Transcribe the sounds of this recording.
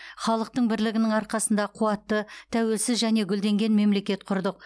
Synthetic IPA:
χɑlˠəq̚t̪əɴbɪɾlɪɡʲɪnɪŋɑɾqɑsənd̪ɑqʰuɑt̪ːət̪ʰæwe̞lsɪzʒæne̞ɡʲʏld̪e̞ŋɡʲe̞nme̞mle̞kʲe̞t̪qʰʊɾd̪əq̚

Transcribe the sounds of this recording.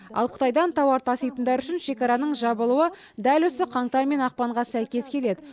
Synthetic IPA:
ɑ̰lˠqʰə̥t̪ɑjd̪ɑnt̪ʰɑwɑɾt̪ʰɑsijt̪ənd̪ɑɾʏʃɪnʃe̞kɑɾɑnəɴʒɑbəlˠuwə | d̪ælwɵsɪqʰɑɴt̪ɑɾme̞nɑq̚pɑɴʁɑsæjkʲe̞skʲʰe̞le̞d̪ɪ

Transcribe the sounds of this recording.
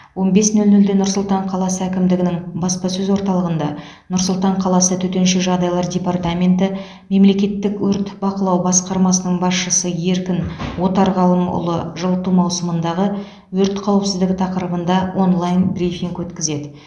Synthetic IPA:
wo̞nbe̞snɵlnɵld̪enʊɾsʊlˠt̪ɑɴqʰɑlˠɑsəækʲɪmd̪ɪɡʲɪnɪŋbɑspɑsɵzwo̞ɾt̪ɑlˠəʁənd̪ɑ | nʊɾsʊlˠt̪ɑɴqʰɑlˠɑsət̪ʰɵt̪e̞nʃeʒɑʁd̪ɑjlˠɑɾdʲe̞part̪amʲe̞nt̪ɪ | me̞mle̞kʲe̞t̪ːɪkwɵɾt̪bɑqəlˠɑwbɑsqɑɾmɑsənəɴbɑsʃəsəje̞ɾkʲɪnwo̞t̪ɑɾʁɑlˠəmʊ̰lˠəʒəlˠt̪ːumɑwsəmənd̪ɑʁə | wɵɾt̪qʰɑwəpsɪzd̪ɪɡʲɪt̪ʰɑqəɾəbənd̪ɑwʔo̞nlˠajnbrifiŋkwɵt̪kʲɪze̞d̪ɪ

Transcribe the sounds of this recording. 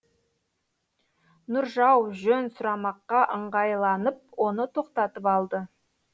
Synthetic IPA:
nʊɾʒɑwʒɵnsʊɾɑmɑqːɑʔəɴʁɑjlˠɑnəp̚wo̞nət̪ʰo̞qt̪ɑt̪əpɑlˠd̪ə

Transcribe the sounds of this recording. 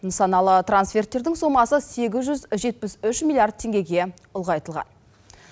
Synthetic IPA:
nəsɑnɑlˠət̪ransfʲe̞rt̪ːe̞ɾd̪ɪŋso̞mɑsəse̞ɡʲɪzʒʏzʒe̞t̪̚pɪsʏʃmilˠiard̪̚t̪ʰe̞ŋɡʲe̞ɡʲe̞ | ʊlˠʁɑjt̪əlˠʁɑ̰n

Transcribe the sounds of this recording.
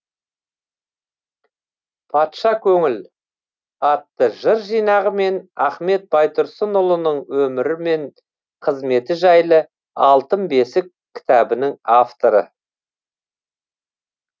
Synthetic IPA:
pʰɑt̪ʃɑkʲʰɵŋɪl | ɑt̪ːəʒəɾʒijnɑʁəme̞næχme̞t̪̚bɑjt̪ʊɾsənʊlˠənəɴwɵmɪɾɪme̞ɴ | qʰəzme̞t̪ɪʒɑjlˠə | ɑlˠt̪əmbe̞sɪkʲʰːɪ̥t̪æbɪnɪŋaft̪o̞ɾə̰

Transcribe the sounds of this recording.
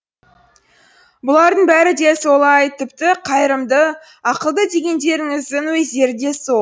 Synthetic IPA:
bʊlˠɑɾd̪əɴbæɾɪd̪e̞so̞lˠɑjt̪ʰɪpt̪ɪqʰɑjɾəmd̪ə | ɑqəlˠd̪əd̪e̞ɡʲe̞nd̪e̞ɾɪŋɪzd̪ɪŋwɵzd̪e̞ɾɪd̪e̞so

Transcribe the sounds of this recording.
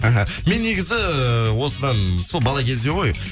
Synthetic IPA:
ɑɦa | me̞nːe̞ɡʲɪzɪwo̞səd̪ɑnso̞lˠbɑlˠɑkʲʰe̞zd̪e̞ʁo̞j

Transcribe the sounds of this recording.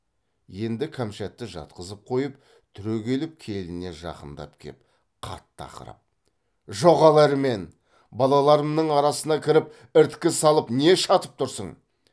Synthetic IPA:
je̞nd̪ɪkʰamʃæt̪ːɪʒɑ̰t̪̚qəzəp̚qʰo̞jəp | t̪ʰʏɾøɡʲe̞lɪp̚kʲʰe̞lɪne̞ʒɑ̰qənd̪ɑ̰pkʲʰḛp | qʰɑ̰t̪ːɑ̰qə̰ɾɑ̰p̚ | ʒo̞ʁɑlˠɑɾəme̞n | bɑlˠɑlˠɑɾəmnəɴɑɾɑsənɑkʲʰɪɾɪp | ɪɾt̪kʲɪsɑlˠəpne̞ʃɑt̪əp̚t̪ʰʊɾsəɴ

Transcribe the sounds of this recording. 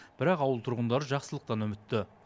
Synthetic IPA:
b̥ɪɾɑqɑwəlˠt̪ʰʊɾʁənd̪ɑɾəʒɑqsəlˠəq̚t̪ɑnɵmɪt̪ːɪ

